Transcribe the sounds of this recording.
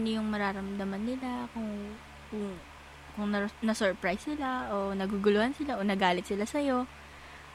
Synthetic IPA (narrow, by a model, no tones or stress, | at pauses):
nojʊŋmɐɾaːɾɐmd̪ɐmɐnːɪlakʊŋ | kʊŋ | kʊŋnɐnɐsɛɹpɹajsːɪlaʔonɐɡuɡʊlʊhansɪlaʔonɐɡaːlɪt̪̚sɪlasɐjo̞